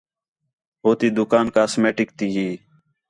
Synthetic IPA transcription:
ɦoːt̪iːd̪ʊkaːnkaːsmeːʈɪk̚t̪iːɦiː

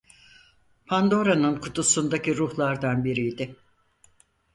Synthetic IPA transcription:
pʰand̪o̞ɾanɯnkʰut̪ʰusund̪aciɾuhlˠaɾd̪anbiɾijd̪ɪ

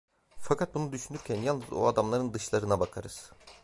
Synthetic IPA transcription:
fakʰat̪̚bunud̪yʃynyɾcʰænjalˠnɯzo̰ad̪amlˠaɾɯnd̪ɯʃlˠaɾɯnabakʰaɾɯz̥

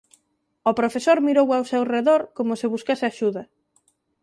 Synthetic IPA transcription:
opɾofesoɾmiɾowawsewreðoɾkomʊsɪβuskasɪaʃuðɐ

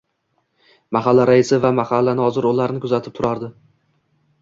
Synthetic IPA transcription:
maɦalːaɾaɪsɪvamahalːanɪɒzɪɾolaɾnɪkʰʊzat̪ʰɪp̚t̪ʰʊɾʔaɾd̪ɪ

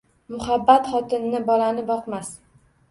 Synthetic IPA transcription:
mʊhabːat̪χɒt̪ʰɪnːɪbɒlanɪbɒqmas

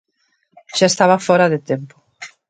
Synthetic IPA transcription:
ʃaest̪aβɐfɔɾɐðɪt̪empʊ̥

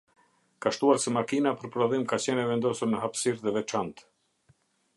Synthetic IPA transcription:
kaʃt̪uaɾsɛmakinapəɾpɾɔðimkat͡ɕɛnɛvɛnd̪ɔsuɾnəɦapsiɾðɛvɛt͡ʃant̪

